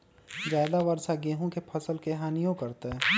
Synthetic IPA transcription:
d͡ʒjaːɪd̪aʋɐɾsaɡeːɦõkepʰɐsəlkeɦaːnijõkɐɾt̪eɦɛː

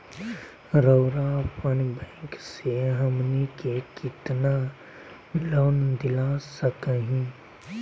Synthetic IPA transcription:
ɾəːɾapʰənbɛ̃ːŋkseɦəmnekekɪt̪na | loːnd̪ɪlasəkəɦĩ

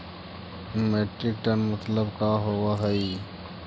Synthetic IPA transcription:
meːʈɾɪk̚ʈənmət̪ləbkaːɦowaɦəi

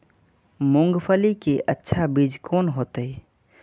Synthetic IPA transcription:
mʊ̃ŋɡpʰəlikeʔətːʃʰabid͡ʒkoːnɦoːt̪əi

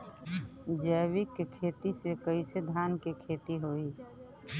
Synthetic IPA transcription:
d͡ʒəːwɪkːekʰeːt̪isekəised̪ʱaːnkekʰeːt̪iɦoːiː

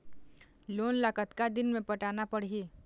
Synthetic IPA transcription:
loːnlaːkət̪kad̪ɪnmẽpəʈaːnapəɽɦiː

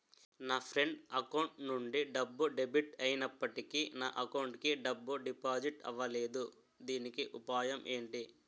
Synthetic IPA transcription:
naːpʰɾe̞ɳɖɐkɐwɳʈnuɳɖiɖɐbːuɖebiʈɐjinɐpːɐʈikina̰ːʔɐkɐwɳʈkiɖɐbːuɖipaːd͡ʒiʈɐ̰ʋːɐle̞ːd̪u | d̪iːnikiʔupaːjɐmʔe̞ːɳʈi

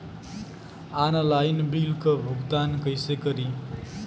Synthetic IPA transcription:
anʌlajnbilkʌbʱuɡt̪ankʌjsekʌɾi

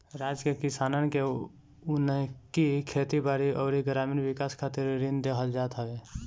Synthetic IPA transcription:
ɾaːd͡ʒkekɪsaːnənke | ʊnəkikʰeːt̪ibaːɾiʔɔːɾiɡɾaːmiːɾʋɪkaːskʰaːt̪ɪɾɾɪnd̪ekʰəld͡ʒaːt̪ɦəʋe

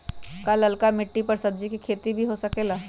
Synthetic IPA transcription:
kalɐlkamɪʈːipɐɾsɐb̚d͡ʒikikʰeːt̪ibʱiɦosɐkeːlaː

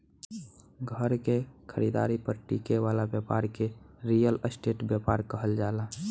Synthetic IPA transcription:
ɡʱəɾkekʰəɾid̪a̰ɾipəɾʈikeʋalabjəpaɾkeɾijələsʈeʈbjəpaɾkəɦəld͡ʒala

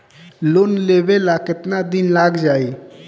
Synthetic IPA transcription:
lonlebelakɪt̪nad̪inlaɡd͡ʒaːi

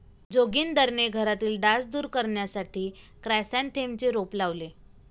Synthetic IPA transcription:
d͡zoɡiːnd̪əɾɳeɡʱəɾat̪iːlɖãsd̪uːɾkəɾɳjasaʈʰiː | kɾasãnt̪ʰemt͡ɕeɾoplaʋle

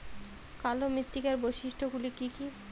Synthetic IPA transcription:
kalomɾit̪ːikaɾbojʃiʃʈʰoɡulikiki

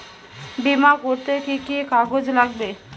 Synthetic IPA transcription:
bimakoɾt̪ekikikaɡod͡ʑlaɡbe

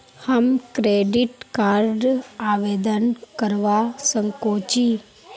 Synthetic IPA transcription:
həmkɾeːɖɪʈkaːɾɖaːʋeːd̪ənkəɾʋasəŋkoːt͡ʃiː

